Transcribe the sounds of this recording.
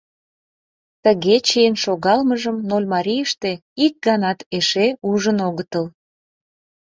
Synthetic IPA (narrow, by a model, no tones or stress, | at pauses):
t̪əɣet͡ɕejənʃoɣɑlməʒəmnolʲmɑɾijəʃt̪e̽ik̚ɡɑnɑt̪eʃeuʒənoɣət̪əl